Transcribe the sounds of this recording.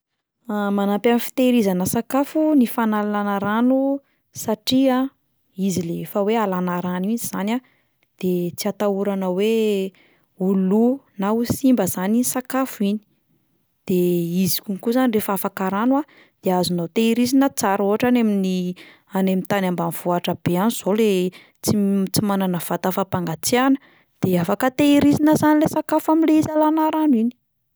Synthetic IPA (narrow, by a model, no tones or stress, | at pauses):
amanapamifi̥t̪eɾizanəsakafunifanallanaɾanu | saʈ͡ʂia | izileefəwealanaɾaniiziz̥ana | d̪̥et͡siat̪auɾanəwe | ulunausimbəzaninsakafuini̥ | d̪̥eizi̥kʲunikuzanirefəafakaɾanwa | d̪̥eazunot̪eiɾizinət͡saɾoɦaʈ͡ʂanamini | anemit̪anambanv̥uaʈ͡ʂəb̥eaniz̥ole | t͡sit͡simananəv̥at̪afapaŋɡat͡seanə̥ | d̪̥eafakət̪eiɾizinəzanilesakafamileizalanaɾanuini̥